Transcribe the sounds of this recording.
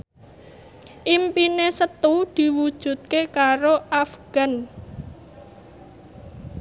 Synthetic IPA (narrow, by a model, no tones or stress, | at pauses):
ʔimpinesət̪ud̪̥i̤wud̥ʒ̥ṳt̪̚kekaɾoʔafɡ̥a̤n